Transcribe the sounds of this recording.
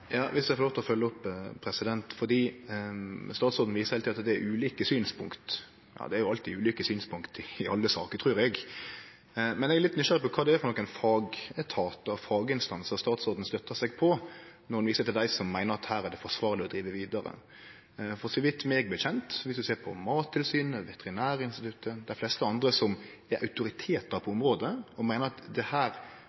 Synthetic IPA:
jɑːʋɪsd̪æɛɾfɔloːft̪ɔfœlːəɔpʰːɾɛsɪd̪ɛnt̪fɔd̪iː | st̪ɑːt̪sɔɾd̪n̩ʋiːsəhɛliːɑt̪d̪ɛæɾʉːliːkəsyːnspʰʊŋkt̪ | jɑ̰ːd̪ɛæɾjʊɑlt̪ɪʉːliːkəsyːnspʰʊŋkt̪ɪɪʔɑlːəsɑ̰ːkəɾt̪ʰʁʉːɾɛɡ | mɛnɛɡæɛlɪt̪nʏʃɑɾəpɔkʰɑːd̪ɛæɾfɔɾnɔkːæɪnfɑːɡət̪ʰɑːt̪əɑfɑːɡəɪnst̪ɑnsst̪ɑːt̪sɔɾd̪n̩st̪œt̪ːəsɛɡpʰɔnɔɾɑnʋiːsət̪ɪld̪æɪsɔmːæɪnəɾɑt̪hæːɾæd̪ɛfɔʂʋɑːʁlɪɔd̪ɾiːʋəʋiːd̪əɾə̰ | fɔsɪʋɪt̪ːmɛɡbɛçɛnt̪ʋɪsd̪ʉseːɾpʰɔ̰mɑːt̪ʰːɪlsyːnəʋɛt̪ɛɾɪnæːɾəɪnst̪ɪt̪ʰʉt̪ʰːəd̪æɪflɛst̪əɑnd̪ɾəsɔm | æʔɑʉt̪ʊɾɪt̪ʰeːt̪̚d̪ɑpʰɔɔmɾoːd̪əɔmæɪnəɾɑt̪d̪ɛhæːɾ

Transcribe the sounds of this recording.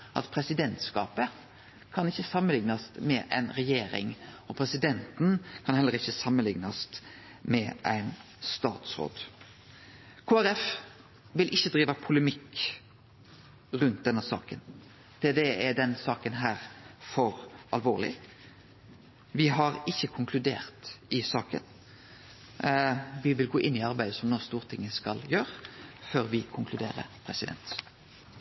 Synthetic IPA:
ʔɑ̰t̪pʰɾɛsɪd̪ɛnt̪skɑːpə | kʰɑnɪçːəsɑmːənlɪŋnɑsmɛʔæ̰ɪnɾɛjeːɾɪ̰ŋɔpʰɾɛsɪd̪ɛnt̪n̩kʰɑnhɛlːəɾɪçːəsɑmːənlɪŋnɑst̪ | mɛʔæ̰ɪn | st̪ɑːt̪sɾo̰ːd̪ | kʰoːæɾɛf | ʋɪlʔɪçːəd̪ɾiːʋɑpʰʊləmɪkː | ʁʉnt̪̚d̪ɛnːəsɑ̰ːkən | p̪ʰed̪eːɛɖ̪ɛnsɑːkənɦæːʁfɔɾɑlʋoːʁlɪ̰ | ʋɪɦɑɾɪçːəkʰʊŋkʰlʉd̪eːʁt̪ɪsɑːkə̰n | ʋɪʋɪlɡoːʔɪnːɪɑʁbæɪd̪əsɔmnoːst̪uːʁt̪ʰɪŋːəskɑljøːɾføːɾʋɪkʰʊŋkʰlʉd̪eːʁə̰pʰʁɛsɪd̪ɛ̰nt̪

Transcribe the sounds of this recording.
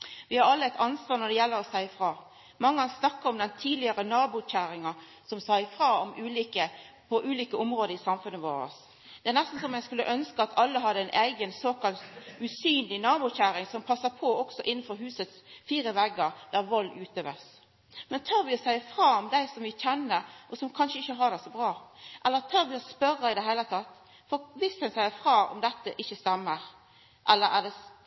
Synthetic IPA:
ʋɪhɑɾɑlːəæɪt̪ʰɑnsʋɑːʁɾnɔd̪ɛjɛlːəɾɔsæɪfʁɑː | mɑŋːəɑnsnɑkːəɾɔmd̪ɛnt̪ʰiːd̪lɪɑɾənɑːbʊçæːɾɪŋɑ | sɔmsæɪfɾɑːɔmʔʉːliːkə | pʰɔʔʉːliːkəɔmɾoːd̪əɾɪsɑmfʉnːəʋo̰ːɾə̰s | d̪̥ɛæʁnæst̪n̩sɔmæɪɡskʉlːə̰ʔœnskəɑt̪ʰɑlːəɦɑd̪ːəæɪnʔæɪɡənsoːkɑlt̪ʉsyːnlɪnɑːbʊçæːɾɪŋsɔmpʰɑsːɑpʰɔɔksɔʔɪnːn̩fɔɾɦʉːsət̪sfiːɾəʋɛɡːəʁd̪æʁʋɔlːʉːt̪øːʋə̰s | mɛnt̪ʰɑːɾʋɪɔsæɪfʁɑːɔmd̪æɪsɔmʋɪçɛnːəʔɔsɔmkʰɑnʂəɪçːəɦɑʁd̪ɛsɔbʁɑːʔɛlːət̪ʰɑːɾʋɪɔspœrəɪd̪ɛhæɪlət̪ʰɑt̪ː | fɔɾʋɪsd̪ɛnsæɪəfʁɑːɔ̰md̪ɛt̪ːəʔɪçːəst̪ɛmːəʁ | ʔɛlːəɾæd̪ɛ

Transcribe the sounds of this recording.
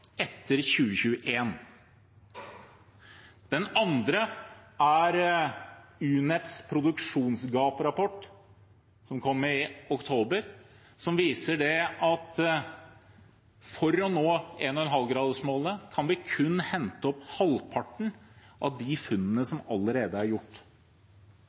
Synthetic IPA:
ɛt̪ːəɾçʉːəçʉːəʔeːn | d̪̥ɛnɑnd̪ɾəæɾ | ʉːnɛt̪spʰɾʊd̪ʉkʂuːnsɡɑːpɾɑpɔʈː | sɔmkʰɔmːɪʊkt̪ʰoːbəɾ | sɔmʋiːsəɖɛʔɑt̪ | fɔɾɔnoːeːnɔɛnɦɑlɡɾɑːd̪əʂmoːlnəkʰɑnʋɪkʰʉnːhɛnt̪əɔphɑlpʰɑʈɳ̩ʔɑ̰ʋd̪ɪfʉnːənəsɔmɑləɾeːd̪əæɾjʊʈː

